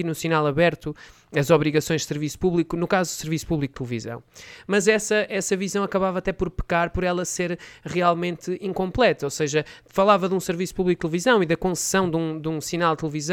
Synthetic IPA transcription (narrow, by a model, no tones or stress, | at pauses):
inusinalˠɐβɛɾt̪u | ɐzɔβɾiɣɐsõj̃ʒd̪sɨɾvisu̥puβlˠikunukazud̪usɨɾvisu̥puβlˠik̚t̪ɨlˠɨvizɐ̰̃w̃mɐzɛsɐʔɛsɐvizɐ̃w̃ɐkɐβavat̪ɛpɔɾpɨ̥kaɾpɔɾɛlˠɐseɾʁialˠmẽnt̪ɨĩŋkõmplˠɛt̪ɐoseʒɐfɐlˠavɐðũsɨɾvisu̥puβlik̚t̪ɨlˠvizɐ̃w̃iðɐkõssɐ̃w̃d̪ũd̪ũsinalˠd̪t̪ɨlˠvizɐ̃